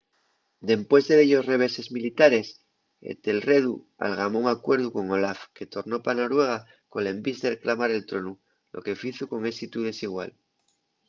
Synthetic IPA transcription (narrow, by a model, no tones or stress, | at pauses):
d̪e̞mpwe̞zðe̞ðeʎo̞sre̞β̞e̞se̞zmilit̪aɾe̞s | ḛt̪e̞lre̞ðu | a̰lɣamouŋakwe̞ɾðuko̞ŋo̞lafke̞t̪o̞ɾno̞panoɾwe̞ɣ̞a | kolembisðeɾeklamaɾe̞lt̪ɾo̞nu | lʔo̞̰ke̞fiθuko̞ŋesit̪uðe̞siɣ̞wa̰l